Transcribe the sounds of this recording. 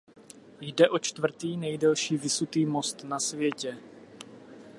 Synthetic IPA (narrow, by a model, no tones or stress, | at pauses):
jdɛʔo̞t͡ʃt̪vr̩t̪iːnɛjdɛlʃiːvɪsut̪iːmo̞st̪nasvjɛcɛ